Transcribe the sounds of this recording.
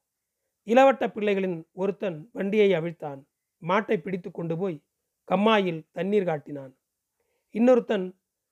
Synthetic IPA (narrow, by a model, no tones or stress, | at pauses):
ɪlɐʋɐʈːɐpːɪɭːɐɪɣɐɭɪnɔɾɯt̪ːɐnʋɐɳɖɪjɐɪɐʋɪɻt̪ːaːn | maːʈːɐɪpːɪɽɪt̪ːɯkːɔɳɖɯpoːj | kɐmːaːjɪlt̪ɐnːiːɾkaːʈːɪnaːn | ɪnːɔɾɯt̪ːɐn